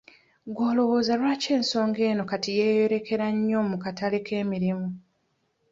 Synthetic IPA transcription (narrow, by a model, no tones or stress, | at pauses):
ɡwo̞ːlo̞ɣo̞ːzalwaːce̞ːnso̞ːŋɡe̞ːno̞katijeːjo̞ɾe̞ke̞ɾaɲːo̞ːmukataleke̞ːmiɾimu